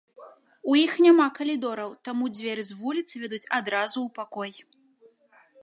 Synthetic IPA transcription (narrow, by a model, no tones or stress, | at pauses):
ujixnʲamakɐlʲid̪ɔɾɐwt̪amud͡zʲvʲɛɾɨzvulʲit̪sɨvʲɛd̪ut͡sʲad̪ɾazuːpakɔj